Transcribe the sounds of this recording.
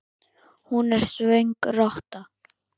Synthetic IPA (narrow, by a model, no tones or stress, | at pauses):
hunɛɾ̥svejŋkrɔht̪a